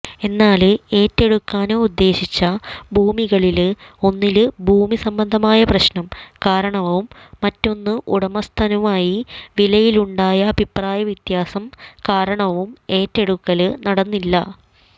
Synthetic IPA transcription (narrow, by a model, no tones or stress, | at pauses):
e̞nːaːlɨe̞ːtːe̞ɽukːaːnoud̪ːe̞ːɕit͡ɕːɐbʱuːmiɣɐɭilɨo̞nːilɨbʱuːmisɐmbɐnd̪ʱɐmaːjɐprɐɕnɐmkaːɾɐɳɐʋumːɐtːo̞nːɨʔuɽɐmɐst̪ʰɐnɐʋaːjiʋilɐjiluɳɖaːjɐːbʱipraːjɐʋit̪jaːsɐmkaːɾɐɳɐʋume̞ːtːe̞ɽukːɐlɨnɐɽɐnːilːɐ